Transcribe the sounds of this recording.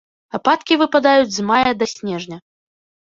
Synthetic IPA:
apat̪kʲivɨpad̪ajud͡zʲzmajɐd̪ɐsʲnʲɛʐnʲɐ

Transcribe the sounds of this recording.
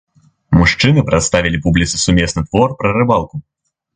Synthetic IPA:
muʂt͡ʂɨnɨpɾat̪st̪avʲilʲipublʲit̪sɨsumʲɛsnɨt̪vɔrpɾɐɾɨbalˠku

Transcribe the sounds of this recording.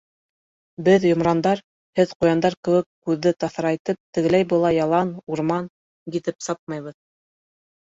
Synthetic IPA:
bɘðjŏmɾɑnd̪ɑɾ | hɘðqujɑnd̪ɑɾkɘ̆wɘkːʉðːɘt̪ɑθɾɑjt̪ɤp̚t̪ɘ̆ɡɘ̆læjbɤlˠɑjɑlˠɑnuɾmɑn | ɡit̪ɘpsɑp̚mɑjβɤð

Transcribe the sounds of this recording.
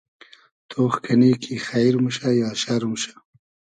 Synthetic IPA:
t̪ʰoːxkʰaniːkʰixajɾmuʃajɑːʃaɾumʃḁ

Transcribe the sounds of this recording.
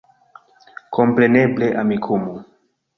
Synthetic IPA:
kʰompɾenebleʔamikʰumu

